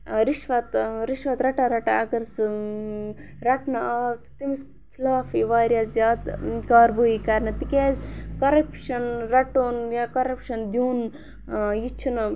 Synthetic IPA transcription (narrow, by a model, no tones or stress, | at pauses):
ɾiʃʋɐt̪ɾiʃʋɐt̪ɾɐʈaɾɐʈaɐɡɐɾs | ɾɐʈnɐaːt̪t̪imis | kʰilaːfiʋaːɾʲjaːszjaːd̪kaːɾbuikɐɾnɐt̪ikeːzkɐɾɐpʃɐnɾɐʈoːnjakɐɾɐpʃɐnd̪juːn | jit͡ʃʰunɐ